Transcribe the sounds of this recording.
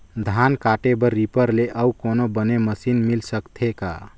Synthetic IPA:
d̪ʱankaʈebəɾːipəɾleʔəukonobəneməsinmilsəkt̪ʰeka̰

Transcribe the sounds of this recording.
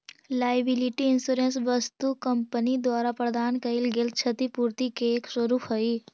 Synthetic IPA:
laːjbɪlɪʈiɪnsuːɾens̬ʋəst̪ukəmpənid̪waːɾapɾəd̪aːnkɐilɡel̚t͡ʃʰət̪ipuːɾt̪ikeːkswəɾuːpɦoi

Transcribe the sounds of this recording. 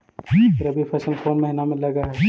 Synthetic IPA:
ɾɐbʱifʰɐsəlkoːnmɛɦnamẽlɐɡaɦɛː

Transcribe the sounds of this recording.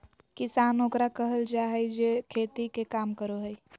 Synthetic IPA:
kɪsaːnokɾakəɦəld͡ʒaːɦəid͡ʒeːkʰeːt̪ikekaːmkəɾoɦəi

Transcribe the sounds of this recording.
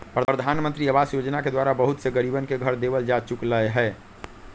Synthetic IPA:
pɾədɾəd̪ʱaːnmə̃nt̪ɾiəbaːsjod͡ʒnaked̪waːɾabəɦʊt̪seɡəɾibənkeɡʱəɾd̪ebəld͡ʒat͡ʃʊkləeɦɛː

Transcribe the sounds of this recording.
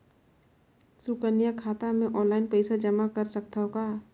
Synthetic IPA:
sukənijakʰaːt̪amẽʔɔːnlaːɪnpɛɪsad͡ʒəmakəɾsəkt̪aɦokaː

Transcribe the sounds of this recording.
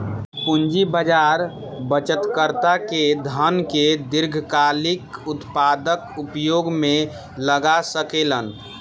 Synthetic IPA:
pund͡ʒibəd͡ʒaɾbət͡ʃət̪kəɾt̪aked̪ʱənked̪iɾɡʱkalikut̪pad̪əkupjoɡme | ləɡasəkelən

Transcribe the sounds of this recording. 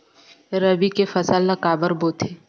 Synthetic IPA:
ɾɐbikefɐsəlːəkaːbəɾboːt̪ʰe

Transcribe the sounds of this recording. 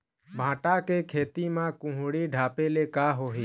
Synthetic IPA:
bʱãːʈakekʰeːt̪imãkʊ̃ɦʊɽiɖʱaːpelekaːɦoːɦiː

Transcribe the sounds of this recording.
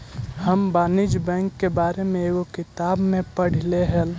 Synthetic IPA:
həmbaːnid͡ʒbɛ̃ŋkːebaːɾemẽeːɡokɪt̪aːbmẽpəɽ̤ileɦɛl

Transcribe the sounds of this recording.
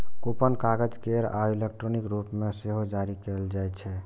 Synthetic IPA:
kopənkaɡəd͡ʒkeɾailek̚ʈɾonikɾupmeseɦod͡ʒaɾikeld͡ʒajt͡ʃʰɛ

